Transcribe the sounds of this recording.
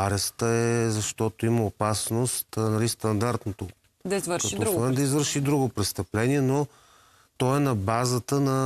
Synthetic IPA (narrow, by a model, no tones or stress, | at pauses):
aɾɛst̪əɛzɐʃt̪ɔt̪oiməopasnost̪nɐlist̪ɐnd̪aɾt̪not̪o | d̪ɐizɾkɐt̪ɔɾmɛnd̪ɐizvəɾʃid̪ɾuɡopɾɛst̪ɐplɛniɛno | t̪ɔɛnɐbazət̪ənɐ